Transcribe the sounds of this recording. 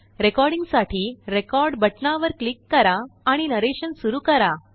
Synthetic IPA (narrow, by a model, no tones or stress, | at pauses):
ɾekɔɾɽiŋɡsaʈʰiːɾekɔɾɖbəʈnaʋəɾklikːəɾaːɽ̃inəɾeɕənsuɾuːkəɾa